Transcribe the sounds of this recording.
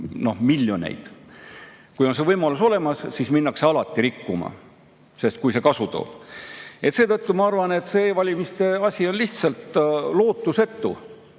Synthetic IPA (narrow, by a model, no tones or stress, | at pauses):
no̞hmilʲjo̞nḛjd̪̥ | kujo̞nse̞vɤjmɑluso̞le̞mɑssisminːɑkseɑlɑt̪ːˑiɾikːumɑ̰ | se̞st̪̚kujse̞kɑsut̪o̞̰ːb̥e̞t̪se̞ːt̪ɤt̪ːumɑɑrvɑne̞t̪se̞ːvɑlʲimist̪e̞ɑsʲio̞nliht̪sɑlt̪lo̞ːt̪ːˑuse̞t̪ːṵ